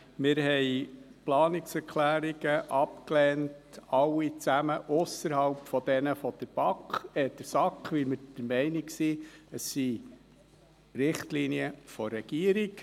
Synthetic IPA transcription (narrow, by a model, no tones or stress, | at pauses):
mɪɾɦɛɪplɑːnɪksɛɾkʰlæːɾiɡ̥əʔɑpklɛːntɑlːit͡sæməʔʊsəɾhɑlpfɔd̪ɛnəfɔd̪̥əɾb̥ɑkχɛd̥əɾsɑkχʋɪlmɪd̥əɾmɛɪniksiəsːi | rɪχtliniəfɔrːɛɡ̥iəɾik